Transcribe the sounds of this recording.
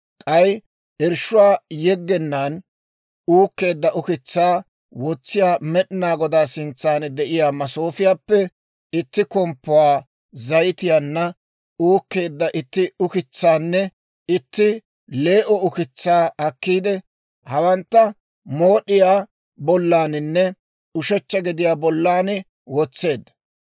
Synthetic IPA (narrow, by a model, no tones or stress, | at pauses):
kʼɐj | ɪɾʃːʊwaːjɛɡːɛnːaːn | uːkːe̞ːd̪ːɐʔʊkɪt͡sːaː | wɔt͡sːɪjaːmɛɗɪnaːɡɔd̪aːsɪnt͡sːaːnd̪ɛʔɪjaːmɐsoːfɪjaːpːɛ | ɪt̪ːɪkɔmpːɔwaː | zɐjɪt̪ɪjanːɐ | uːkːe̞ːd̪ːɐʔɪt̪ːɪʊkɪt͡sːaːnːɛ | ɪt̪ːɪ | le̞ːʔɔʊkɪt͡sːaːɐkːiːd̪ɛ | hɐwɐnt̪ːɐ | mo̞ːɗɪjaː | bɔlːaːnɪnːɛ | ʊʃɛt͡ʃːɐɡɪd̪ɪjaːbɔlːaːn | wɔt͡sːe̞ːd̪ːɐ̥